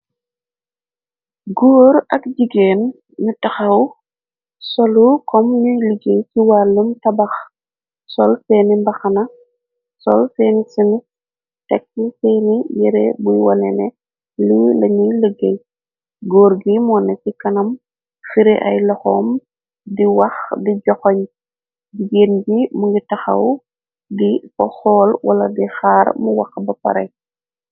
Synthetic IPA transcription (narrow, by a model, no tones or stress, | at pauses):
ɡoːɾɐkd͡ʒiɡeːnː | utɐxɐw | sɔlukɔmɲujləɡejsiwaːlːəmtɐbɐx | sɔlsɛːnimbɐxɐnɐ | sɔ̰lsɛːnisini | tɛk̚ːisɛːnijɛɾɛ̰bujwɔ̰nɛ̰nɛ | lilɐɲiləɡej | ɡoːɾɡimuwɔnesikɐnɐm | fiɾeʔajlɔxoːm | diwaxdiɟɔxɔɲ | biɡeːnbimuŋɡitaxa̰w | difɔxɔːlwala̰dixaɾmuwa̰xbɐpa̰ɾḛj